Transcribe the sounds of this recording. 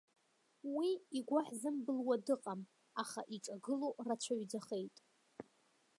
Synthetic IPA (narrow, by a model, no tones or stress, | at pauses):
wiiɡʷaħzɨmbɨlwadɨqʼam | aχaʔiʈ͡ʂʼaɡɨlorat͡ɕʷʰaɥd͡zaχe̞jtʼ